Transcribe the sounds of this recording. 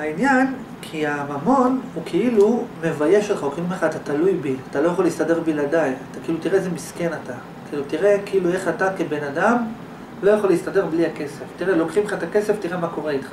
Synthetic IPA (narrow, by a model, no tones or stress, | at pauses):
hainjan | kʰiamamo̞nhukʰeilume̞vaje̞ʃotχaokχimeχat̪at̪alujbiat̪alo̞jaχo̞list̪ade̞ʁbiladajat̪akeilut̪iʁeezemiskenata | keilutiʁe̞keilue̞χatakebe̞nadam | lo̞jaχo̞leist̪ade̞ʁbliake̞se̞ftiʁelo̞kχimeχaet̪ake̞seftiʁe̞mako̞ʁeitχḁ